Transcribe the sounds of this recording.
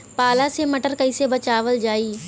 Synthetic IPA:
paːlasemɐʈəɾkɐiːsebɐt͡ʃaːʋəld͡ʒaːiː

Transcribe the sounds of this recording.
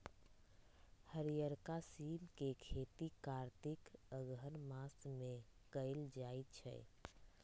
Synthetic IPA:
həɾijəɾkasimkekʰet̪ikaɾt̪ikəɡɦənmasme | kəɪld͡ʒajt̪t͡ʃʰɛ̰

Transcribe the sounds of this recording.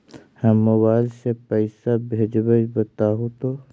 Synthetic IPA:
həmːʊβaːɪlsepəɪsabʱeːd͡ʒbəd͡ʒbət̪aːɦõt̪oː

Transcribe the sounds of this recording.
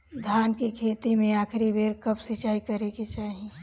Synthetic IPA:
d̪ʱaːnkikʰeːt̪imẽaːkʰɾibeːɾkəpsɪt͡ʃaːikɐɾekit͡ʃaːɦi

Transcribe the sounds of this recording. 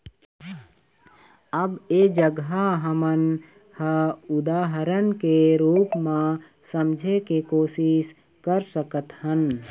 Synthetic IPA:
əbeːd͡ʒəɡɦaɦəmən | həʊd̪aːɦəɾənkeɾuːpmã | səmd͡ʒʱekekoːʃɪʃ | kəɾsəkət̪hən

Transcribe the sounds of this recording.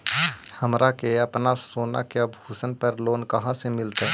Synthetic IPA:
həmɾakeəpnasoːna̰kebʱuːsənpəɾloːnkəɦãsemɪlt̪a

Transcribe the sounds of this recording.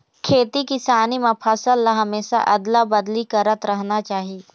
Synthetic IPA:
kʰeːt̪ikɪsaːnimãpʰɐsəlːaɦɐmeːʃa̰ʔɐd̪labɐd̪likɐɾət̪ɾɐɦnat͡ʃaːɦieː

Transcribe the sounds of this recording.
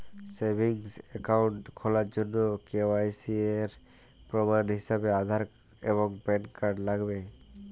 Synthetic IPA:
sebʱiŋsɛkaʊɳʈkʰɔlad͡ʒonːokewajsieɾ | pɾɔbanɦisabead̪ʱaɾ | ḛbɔŋpɛɳkaɖlaɡbe

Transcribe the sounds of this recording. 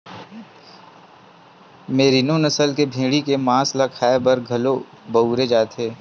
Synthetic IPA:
meːɾinõnɐsəlkebʱĩːɽikemãːslakʰaːebɐɾɡʱɐlo | bɐuːɾed͡ʒaːt̪eː

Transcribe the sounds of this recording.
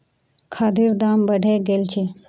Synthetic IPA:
kʰaːd̪iɾd̪aːmbəɖʱeɡelt͡ʃʰe

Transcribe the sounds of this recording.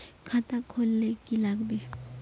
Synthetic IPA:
kʰat̪akʰːolːekilaɡbe

